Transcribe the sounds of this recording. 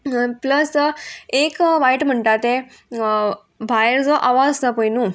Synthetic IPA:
pləsekʋaiʈm̤əɳʈat̪e | bʱajɾd͡zɔʔaʋad͡zt̪əpəjnu

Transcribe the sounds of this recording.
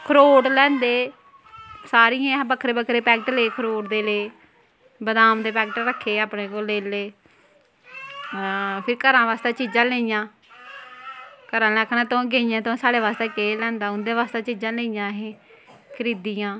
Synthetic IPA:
kʰəɾoːʈlɛ̃ːnd̪eː | saːɾijãːbəkʰːɾeːbəkʰːɾeːpɛːkʈleːkʰəɾoːʈd̪eːleː | bəd̪aːmd̪eːpɛːkʈɾəkʰːeːaːpɳeːkoːleːleː | pʰɪɾkəɾãːʋaːst̪eːt͡ʃiːd͡ʒãːleːijãː | kəɾãːlaːkʰnãːt̪õːɡeːijãːt̪õːsaːɽeːʋaːst̪eːkeːlɛ̃ːnd̪aːʊnd̪ẽːʋaːst̪aːt͡ʃiːd͡ʒãːleːijãːɦẽːkʰəɾiːd̪ijãː

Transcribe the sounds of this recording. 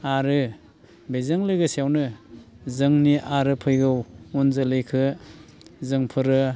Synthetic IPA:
aɾɯ | bezaŋlɯjɡɯsiawnɯ | zɯŋniʔaɾɯpʰɯjɡɯwunzɯlɯjkʰɯ | zɯŋpʰɯɾɯ

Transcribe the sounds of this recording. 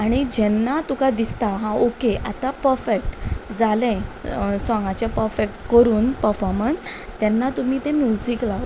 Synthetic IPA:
aɽ̃id͡ʑɛnːat̪ukad̪ist̪aɦãʔokeʔat̪apəɾfek̚ʈd͡zalɛ̃sɔ̃ŋɡat͡ɕapəɾfek̚ʈkəɾuːnpəɾfɔɾmənst̪jɛnːat̪um̤iːt̪ẽmjud͡ziklaʋ

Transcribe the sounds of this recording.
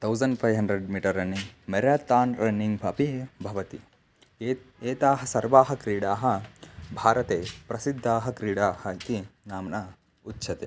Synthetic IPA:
t̪ʰɐwzɐɳɖpʰɐjʋɦɐɳɖɾeɖmiːʈɐɾːɐniŋmɐɾat̪ːaːnɾɐniŋɡbʱɐpibʱɐʋɐt̪i | eːt̪aːɦɐsɐɾʋaːɦɐkɾiːɽaːɦɐbʱaːɾɐt̪eːpɾɐsid̪ʱːaːɦɐ̆kɾiːɽaːhɐit̪inaːmnɐ | utːʃʰɐt̪eː

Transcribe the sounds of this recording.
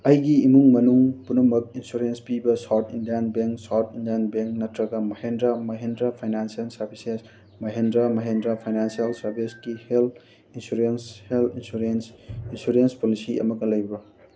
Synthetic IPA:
ɐjɡiːmuŋmɐnuŋpunɐmɐk̚insuɾenspibɐsawtʰindijanbeŋksawtʰindianbeŋk̚nɐtɾɐɡɐmɐhendɾɐmɐɦendɾapʰajnansijɐlsɐɾbises | mɐɦendɾamɐɦendɾɐpʰajnansijɐlsɐɾbʱisɡihelt | insuɾensheltinsuɾensinsuɾenspolisiɐ̰mɐɡɐlɐjbɐ

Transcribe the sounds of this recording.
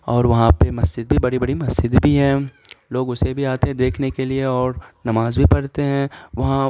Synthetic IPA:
ɔːɾʋɐɦãpemɐsd͡ʒɪd̪̚bʱibɐɽibɐɽimɐsd͡ʒɪd̪bʱiɦɛ̃ː | loːɡʊsebʱiaːt̪eɦɛ̃d̪eːkʰnekelieɔːɾnɐmaːzbʱipɐɽt̪eɦɛ̃ʋɐɦã

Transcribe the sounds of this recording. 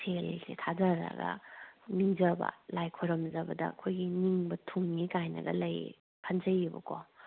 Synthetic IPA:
sʰelsetʰazaɾɐ̰ɡɐ̰niŋzɐbɐ̰lajkʰoɾɐmzɐbɐdɐ̰kʰojɡiniŋbɐtʰuŋːikajnɐ̰ɡɐ̰lɐj | pʰanzɐjːibɐ̰ko

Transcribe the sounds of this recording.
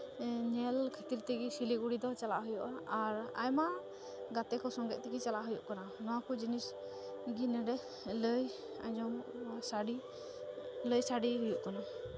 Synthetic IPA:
ɲɛlkʰət̪iɾt̪ɛɡisiliɡuɽid̪ɔt͡ʃala̰ʔɦujɔʔaaɾa̰jma | ɡat̪ɛkɔsɔŋɡɛʔ̪̚t̪ɛɡit͡ʃalaʔɦujuʔkananɔwakɔd͡ʒinis | ɡinɛɖɛ | ləj | a̰d͡ʒɔm | saɽi | ləjsaɽiɦujuʔkana

